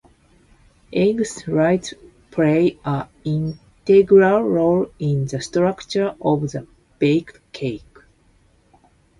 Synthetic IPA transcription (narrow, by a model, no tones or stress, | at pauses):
ʔẽɡsɹaɪt | pʰleɪaĩn | teɡɹalːolĩnðəstɾakt͡ʃə˞ɔvðə | b̥ek | kʰeɪk